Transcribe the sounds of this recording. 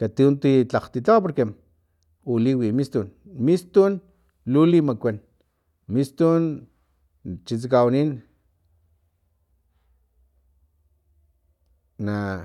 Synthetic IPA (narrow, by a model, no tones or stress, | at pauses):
kat̪iunt̪it͡ɬaqt̪it͡ɬawap̬oɾke | uliwimist̪un | mist̪un | lulimakʷen | mist̪un | t͡ʃit͡sikawanin | na